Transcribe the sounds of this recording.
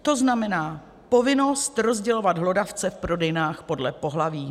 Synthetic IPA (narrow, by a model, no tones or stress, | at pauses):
t̪o̞znamɛnaː | po̞vɪno̞st̪ɾo̞zɟɛlo̞vad̪ɦlo̞daft͡sɛfpɾo̞dɛjnaːxpo̞dlɛpo̞ɦlaviː